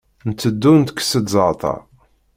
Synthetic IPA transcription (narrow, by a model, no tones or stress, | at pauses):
nt̪ːəd̪ːunt̪kːsədzəɾˤt̪ˤɑ̰